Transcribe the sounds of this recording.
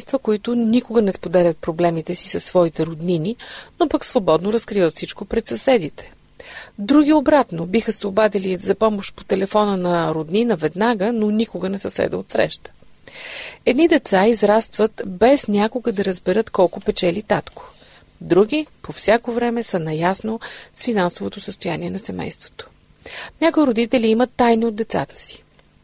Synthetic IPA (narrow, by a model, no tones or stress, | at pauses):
st̪vəkoit̪ʊnikʊɡənɛspod̪ɛlʲət̪̚pɾoblɛmit̪ɛsi̥sɐsːvɔit̪ɛɾod̪nininopəksvobɔd̪noɾɐskɾivət̪fsit͡ʃkopɾɛt̪sɐsɛd̪it̪ɛ̥ | d̪ɾuɡʲiobɾat̪nobixəsɛobad̪ɛlizɐpɔmoʃt̪po̥t̪ɛlɛfɔnənɐɾod̪ninəvɛd̪naɡənonikʊɡənɛsɐsɛ̰d̪ɛ̰ot̪sɾɛ̰ʃt̪ə̥ | ɛd̪nid̪ɛt̪saizɾast̪vət̪bɛsnʲakʊɡəd̪ɐɾəzbɛɾɤt̪kɔlˠkʊpɛt͡ʃɛlit̪at̪ko̥ | d̪ɾuɡʲipofsʲjakovɾɛmɛsənɐjasnosfinansovot̪osəst̪ojanʲiɛnɐsɛmɛ̰jst̪vo̥t̪o̥ | nʲakʊjɾod̪it̪ɛliːmət̪ːajniod̪d̪ɛt̪sa̰t̪ə̥si̥